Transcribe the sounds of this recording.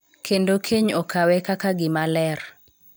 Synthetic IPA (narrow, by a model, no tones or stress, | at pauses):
kʰendokʰeɲɔkʰawɛkakaɡɪmalɛr